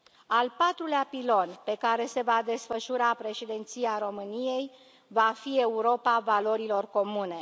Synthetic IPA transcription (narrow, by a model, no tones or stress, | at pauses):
alpat̪ɾuleapilo̞npe̞kaɾe̞se̞vad̪e̞sfəʃuɾapɾe̞ʃid̪ent̪siaɾo̞mɨnije̞j | vafie̞uɾo̞pavalo̞ɾilo̞rko̞mune̞